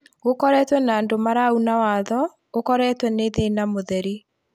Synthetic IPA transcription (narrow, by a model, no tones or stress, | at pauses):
ɣokɔɾɛtwɛnaːndomaɾaunawaːðɔ | okɔɾɛːtwɛneðenamoðɛɾi